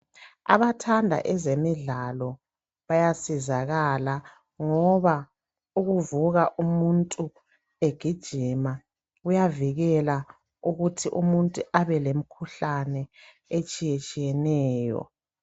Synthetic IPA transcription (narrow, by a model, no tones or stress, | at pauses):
a̰βatʰandʱa̰ʔɛzemiɮalɔ | βajasizaɣala | ŋɔβa | uɣuvuɣaʔumuntʼu | eɡ̥ʱid̥ʒ̥ʱima | ɣujaviɣɛla | uɣutʰiʔumuntʼuʔaβɛlemikʰuɬanɛ | et͡ʃʼijet͡ʃʼijɛnɛːjɔ̰